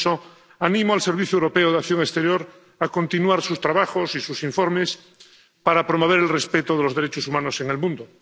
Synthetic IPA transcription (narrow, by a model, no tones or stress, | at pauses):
so | anĩmoalseɾβ̞iθjoewɾopeoð̞akθjoŋest̪eɾjoɾ | ako̞nt̪inwaɾsust̪ɾaβaxosisusiɱfoɾmes | paɾapɾomoβ̞eɾelrespet̪oðelozðeɾet͡ʃosumãnoseŋelmũnd̪o